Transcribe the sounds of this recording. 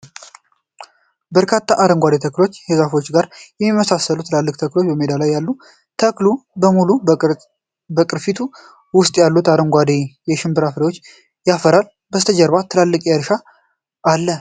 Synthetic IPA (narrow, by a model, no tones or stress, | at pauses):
bəɾkʰat̪ʰːaʔaɾəŋɡʷad̪et̪ʰəklo̞t͡ʃːhezafo̞t͡ʃːɡaɾjɛmːimːəsasːəlut̪ʰɨlalːɨkʼt̪ʰəklo̞t͡ʃːbəmed̪alajːalːu | t̪ʰəklubəmulu | bəkʼɨɾfit̪ʰu | wʊst̪ʼjalːut̪aɾəŋɡʷad̪ejɛʃɪmbɨɾafɾewot͡ʃː | jafəɾal | bəst̪ʰəd͡ʒəɾβat̪ʰɨlalːɨkʼəɾʃa | ʔːlːə